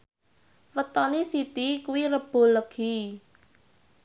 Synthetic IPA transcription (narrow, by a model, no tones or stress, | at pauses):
wət̪ɔnisit̪ikuwirəb̥o̤ləɡ̥i